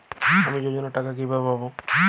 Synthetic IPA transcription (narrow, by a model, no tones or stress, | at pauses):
amid͡ʒod͡ʒɔnɔʈakak̬ibʱababo